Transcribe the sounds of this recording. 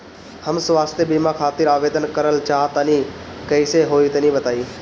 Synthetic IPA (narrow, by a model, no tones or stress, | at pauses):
həmsʋaːst̪jebiːmãkʰaːt̪ɪɾaːʋeːd̪ənkəɾəlt͡ʃaːɦt̪anĩːkəiseɦoːit̪enĩːbət̪aːiː